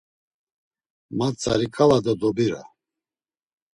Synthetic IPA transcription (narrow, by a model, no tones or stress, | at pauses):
mat͡sʰʼa̰ɾikʰalad̪ɔd̪ɔbiɾa̰